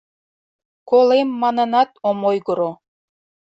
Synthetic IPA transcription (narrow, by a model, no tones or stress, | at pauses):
kolemːɑnɤnɑt̪omojɡoɾo